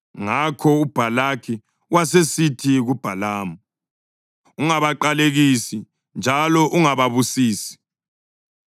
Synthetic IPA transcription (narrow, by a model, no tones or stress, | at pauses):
ŋakʰɔub̥ʱalakʰi | wasesitʰiɣub̥ʱalaːmu | uŋaβaǃaleɣisi | nd͡ʒʱalɔʔuŋaβaβusiːsi̥